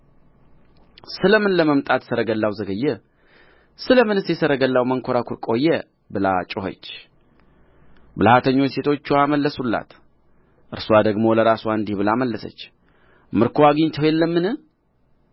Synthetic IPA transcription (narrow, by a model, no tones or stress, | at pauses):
sɨləmɨnləməmt̪ʼat̪səɾəɡəlːawzəɡəjːɛ | sɨləmɨnɨsjɛsəɾəɡəlːawməŋkʰoɾakʰuɾkʼo̞jːɛ | bɨlat͡ʃʼɨhə̰t͡ʃː | bɨlhat̪ʰəɲːo̞t͡ʃːse̞t̪ʰo̞t͡ʃːuaməlːəsulːa̰t̪ | ʔɨɾsuad̪əɡmo̞ləɾasuaɨnd̪ihbɨlaməlːəsə̰t͡ʃː | mɨɾkʰowaɡiɲt̪ʰəwelːəmːɨnɨh